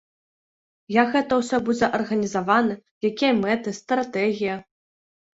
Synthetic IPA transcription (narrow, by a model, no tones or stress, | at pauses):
jakɣɛt̪ɐwsʲɔbud͡zʲɛʔɐrɣɐnʲizavanɨ | jakʲijɐmɛt̪ɨst̪ɾat̪ɛɣʲijɐ